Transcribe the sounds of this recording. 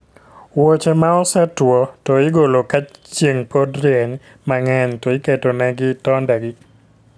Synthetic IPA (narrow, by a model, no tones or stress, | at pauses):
wot͡ʃemaɔsatwɔtɔɪɡolokat͡ʃt͡ʃːeŋpodɾɪɛɲ | maŋɛntɔɪketonɛɡɪtɔndaɡɪ